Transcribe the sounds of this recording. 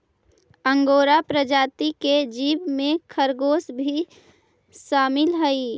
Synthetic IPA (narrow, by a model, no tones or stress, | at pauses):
ə̃ŋɡoːɾapɾəd͡ʒaːt̪iked͡ʒiːʋmẽkʰəɾɡoːsbʱi | ʃaːmɪlɦəi